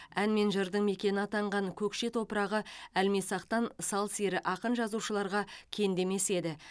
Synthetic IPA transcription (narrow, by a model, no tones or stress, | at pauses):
ænme̞nʒəɾd̪əɴme̞kʲe̞nɑt̪ɑɴʁɑɴkʲʰɵkʃe̞t̪ʰo̞pəɾɑʁəælmesɑqt̪ɑnsɑlˠseɾɪʔɑqənʒɑzuʃəlˠɑɾʁɑkʲʰe̞nd̪e̞me̞se̞d̪ɪ